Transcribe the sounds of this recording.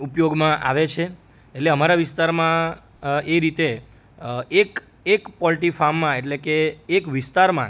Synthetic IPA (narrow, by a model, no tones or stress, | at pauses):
upjoɡmãʔa̰ʋet͡ʃʰe | eʈleəmaɾaʋɪst̪aɾmã | eɾit̪e | ek | ekpɔlʈifamːãeʈlekeːkʋɪst̪aɾmã̰